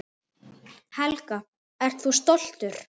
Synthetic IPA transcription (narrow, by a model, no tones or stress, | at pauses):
hɛlka | ɛɾ̥t̪θus̬t̪ɔl̥t̪ʏɾ̥